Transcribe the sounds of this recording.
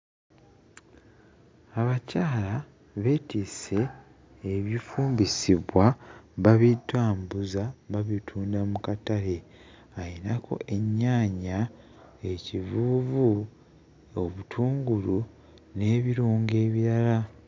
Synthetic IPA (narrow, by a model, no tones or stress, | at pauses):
aβacaːla | βe̞tise̞ː | βifuːmbisiβwaβaβitwaːmbuzaβaβitʰuːndamukatale̞ | ajinakʰo̞̰ʔe̞ɲːaːɲa | e̞civuːvu | oβutʰuːŋɡulu | ne̞ːβiɾuːŋɡe̞ːβiɾala